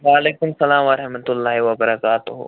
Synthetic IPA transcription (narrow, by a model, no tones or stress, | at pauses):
ʋaːleːkʊmsɐlaːmʋɐɾɐɦmɐt̪ʊlːaːɦiʋɐbɐɾɐkaːt̪ʊɦo̰